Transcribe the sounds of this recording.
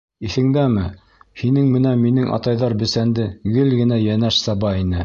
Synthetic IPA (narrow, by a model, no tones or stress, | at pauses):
iθɘ̆ŋd̪æmɘ | hinɘŋmɘ̆nænminɘŋʔɑ̰t̪ɑjðɑɾbɘ̆sænd̪ɘɡɘlɡɘ̆næjænæʃsɑbɑinɘ